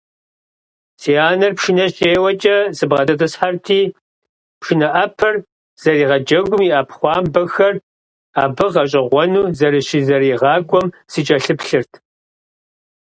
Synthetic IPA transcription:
siaːnɐrpʃinɐɕʼeːwɐt͡ʃʼɐzɨbʁɐdɐtʼɨsħartʰiː | pʂɪnɐʔɐpʰɐr | z̥ɐriːʁɐd͡ʒɐɡʷʊmiʔaːpχʷɑːmbɐxɐr | aːbɨʁɐɕʼɪʁʷɔnuːzɐɾɨɕizɐriːʁɑːɡʷɔm | sit͡ʃʼɐɬɨpɬɨrtʰ

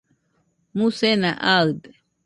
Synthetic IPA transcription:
mũsenaʔaɯd̪e

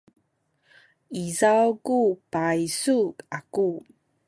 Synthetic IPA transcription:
izawkupajsukaku

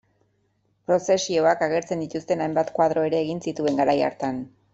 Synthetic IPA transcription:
pɾo̞se̞sio̞akaɣ̞e̞ɾt͡se̞nd̪it̪ust̪e̞najmbat̪kwað̞ɾo̞e̞ɾe̞ːɣinsit̪ue̞ŋɡaɾaja̰ɾt̪an

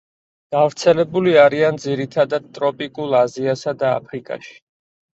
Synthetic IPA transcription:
ɡ̥avɾt̪sʰɛlɛbuliaɾiand̪ziɾit̪ʰad̪ad̪̥̚t̪ʼɾɔpʼikʼulˠaziasad̪a̰ːpʰɾikʼa̰ʃi̥

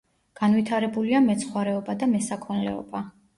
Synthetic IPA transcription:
ɡ̥anvit̪ʰaɾɛbuliamɛt̪sʰχwaɾɛɔbad̪amɛsakʰɔnlɛ̰ɔ̰ba

